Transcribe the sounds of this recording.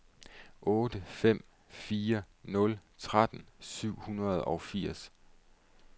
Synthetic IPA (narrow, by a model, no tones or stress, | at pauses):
ʔɔ̽ːd̥əfem̰ | fiːɐ | nɔ̽lt͡sʰʁad̥n̩syʊ̰hunɐð̞̩ˠɒ̽ʊfiɐ̰s